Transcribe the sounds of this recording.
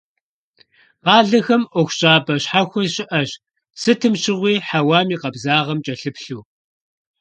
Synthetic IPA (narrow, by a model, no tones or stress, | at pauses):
qɑːɮɐxɐmʔɔxʷɕʼaːbɐɕħaxʷʊzɕʼɪʔɐɕ | sɨtʰɨmɕɪʁʷiːħawaːmiːqɐbzaːʁɐmt͡ʃʼɐɬɨpɬuː